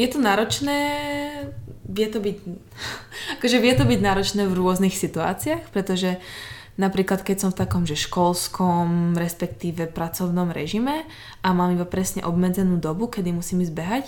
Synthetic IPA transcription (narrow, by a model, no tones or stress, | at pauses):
jɛt̪ɔnaːɾɔt͡ʃnɛː | ʋɪɛt̪ɔbiɟ | akɔʒɛʋɪɛt̪ɔbiɟnaːɾɔt͡ʃnɛːvɾʊɔznixsit̪ua̰ːt͡siaxpɾɛt̪ɔʒɛ | napɾiːklat̪kɛcsɔmft̪akɔmʒɛʃkɔlskʰɔmɾɛspɛkt̪iːʋɛpɾat͡sɔʊnɔmɾɛ̰ʒimɛ | ʔamaːmibapɾɛsɲɛ̰ʔɔbmɛd͡zɛnuːd̪ɔbukɛd̪imusiːmizbɛɦac